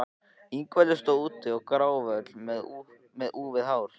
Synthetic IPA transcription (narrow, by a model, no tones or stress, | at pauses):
iŋkvɛlɪst̪oːwuːt̪ːɪɔɣkɾaːwvœt̪lmɛðu | mɛðʔuːvɪðɦaːwɾ̥